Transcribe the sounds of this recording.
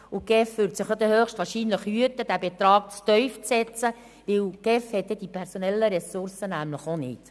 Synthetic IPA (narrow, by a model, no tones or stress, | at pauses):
ʊɡ̥ɛfʋʏːɾtsɪχjod̪əhøːχʃtʋɑːɾʃiːnləχhyətəd̥æbɛt̪ɾɑːk̚t͡st̪œʏft͡sɛt͡sə | ʋɪlɡ̥ɛfhɛt̚dɛd̥ipʰɛɾsɔnɛlːəɾɛsʊrsənæmləχonɪ̰t